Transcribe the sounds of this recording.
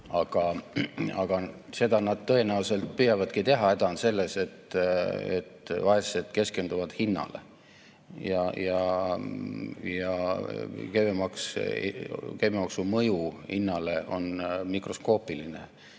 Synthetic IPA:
ɑɡ̥ɑ | ɑɡ̥ɑ | se̞d̪̥ɑnɑd̪̥t̪ɤenæuse̞lt̪̚pyhjɑvɑd̪̥kit̪e̞ɦɑe̞d̪̥ɑonse̞lːe̞se̞t̪ḛt̪ːvɑɦessed̪̥ke̞ske̞nd̪uvɑd̪̥hinːɑ̰lḛ | jɑjɑ | jɑ | kevemɑks | kememɑksumɤjuhḭnːɑle̞ʔo̞̰nmikro̞sko̞ːpiline

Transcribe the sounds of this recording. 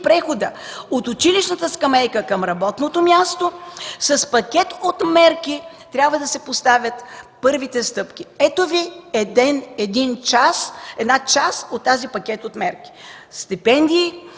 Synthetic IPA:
pɾɛxod̪əot̪ʊt͡ʃiliʃnət̪əskɐmɛjkəkɐmɾɐbɔt̪not̪omʲjast̪osɐspɐkʲɛt̪ot̪mɛɾki | t̪ɾʲjabvəd̪ɐsɛpost̪avʲət̪pɤɾvit̪ɛst̪ɤpk̟ʲiɛt̪oviɛd̪ɛnɛd̪int͡ʃasɛd̪nat͡ʃasot̪ːazipɐk̟ʲɛt̪ot̪mɛɾki̥ | st̪ipɛnd̪iː

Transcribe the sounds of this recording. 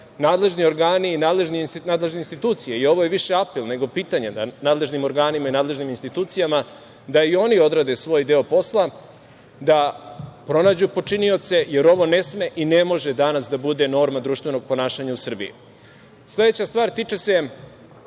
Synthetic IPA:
naːd̪le̞ʒnio̞ɾɡaːniːnaːd̪le̞ʒninaːd̪le̞ʒneinst̪it̪uːt̪sijeio̞ʋo̞jeʋiʃe̞apelˠne̞ɡo̞piːt̪aɲenanaːd̪lˠe̞ʒnimo̞ɾɡaːnimainaːd̪le̞ʒniminst̪it̪uːt̪sijama | d̪aio̞nio̞d̪ɾad̪e̞sʋo̞ːjd̪e̞o̞po̞slˠa | d̪apɾo̞naːd͡ʑupo̞t͡ʂinio̞t̪se̞je̞ɾo̞ʋo̞ne̞sme̞ʔine̞mo̞ʒed̪anasd̪abud̪e̞no̞ːɾmad̪ɾuʃt̪vʋe̞no̞ɡ̚po̞naːʃaɲausr̩bḭjḭ | slˠe̞d̪e̞t͡ɕast̪ʋaːɾt̪it͡ʃese̞

